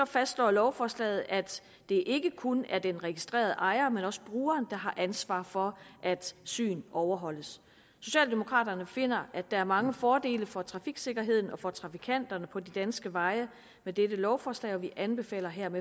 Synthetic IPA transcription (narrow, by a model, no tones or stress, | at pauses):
sɒ̽fæsd̥slɒ̰ːlɒʊfɒːslɛ̰ːð̞̩ˠʔæd̥ | d̥e̝ʔe̝ɡ̥əkʰonæɐd̥enʁɛɡ̥isd̥ʁḛːɐðˠʔɑ̈ɪɐmenɒ̽sə̥b̥ʁuːɐːnd̥ɑ̈ɦɑ̈ʔænsʋɑ̰̈ːfɒ̽ʔæd̥sy̰ːnʔɒʊɐɦɒ̽l̰əs | so̝ɕɛ̰ːld̥e̝mo̝kʰʁɑ̰̈ːd̥ɐnəfe̝n̰ɐæd̥ɑ̈æɐmɑ̈ŋəfɒːd̥e̝̰ːləfɒ̽t͡sʰʁɑ̈fiɡ̥se̝ɡ̥ɐɦe̝ð̞̰ˠn̩ɒ̽fɒ̽t͡sʰʁɑ̈fikʰæn̰d̥ɐnəpʰɒ̽d̥id̥ænsɡ̥əʋɑ̈ɪə | med̥edəlɒʊfɒːslɛ̰ːɒ̽ʋiʔænb̥e̝fɛ̰ːlɐɦeɐ̰me